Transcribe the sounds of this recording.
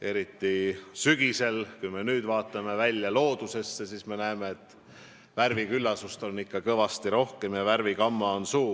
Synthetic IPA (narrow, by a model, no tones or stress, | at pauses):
e̞ɾit̪ːisyɡ̥ise̞lkujme̞nyːd̪̥vɑːt̪ːˑɑme̞vælʲjɑlo̞ːd̪̥use̞sːesiːsme̞næeme̞et̪ːˑ | værvikylːɑsust̪o̞nːikːɑkɤvɑst̪iɾo̞hke̞mjɑværvikɑmːɑo̞nsuː